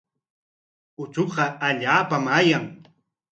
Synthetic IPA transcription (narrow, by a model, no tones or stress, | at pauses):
ʊt͡ʃoqɑaʎaːpamaːjaŋ